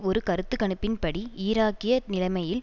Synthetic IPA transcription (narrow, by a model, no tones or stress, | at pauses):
ɔɾɯkɐɾɯt̪ːɯkɐɳɯpːɪnpɐɽiiːɾaːkɪjɐnɪlɐɪmɐjɪl